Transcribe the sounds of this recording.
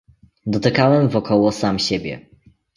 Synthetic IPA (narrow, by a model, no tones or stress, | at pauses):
d̪ɔt̪ɘkawɛmvɔkʰɔwɔsamɕebʲjɛ̰